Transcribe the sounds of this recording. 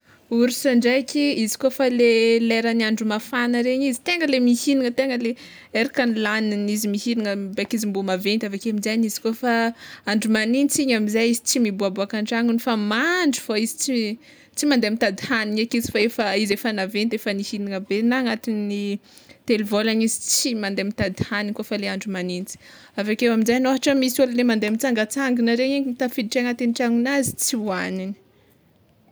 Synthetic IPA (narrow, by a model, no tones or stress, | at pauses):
uɾisaɳɖ͡ʐekʲiizi̥kofaleleɾaniaɳɖ͡ʐumafanəɾeɲizi̥t̪eŋɡəlemihiniŋət̪eŋɡəle | eɾakanilaninizimihiniŋəbakizimbumavent̪avakeamizaɲizi̥kofaaɳɖ͡ʐumaninit͡siɲamizajizit͡simibuabuakaɳɖ͡ʐaŋunifamaɳɖ͡ʐu̥foizi̥t͡si | t͡simand̪eamit̪ad̪ihaniɲakit͡si̥faefəizefanavent̪efənihiniŋəbenaŋat̪inni | t̪elvolanizit͡simand̪emit̪ad̪i̥hanikofəleaɳɖ͡ʐumanint͡si̥ | avakewaminzajnoɦaʈ͡ʂəmisollemand̪eamint͡saŋɡət͡saŋɡinəɾeɲiimit̪afid̪iʈ͡ʂeŋat̪eniʈ͡ʂaŋunazi̥t͡siuanini̥